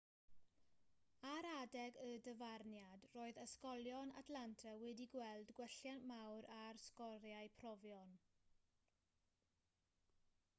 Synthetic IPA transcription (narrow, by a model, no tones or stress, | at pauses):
aɾadɛɡədəvarnjadroːɨðəskɔlˠjɔna̰tʰlantʰawɛdiɡwɛlˠdɡwɛɬjanmawɾarskɔɾjaɨpʰrɔvjɔn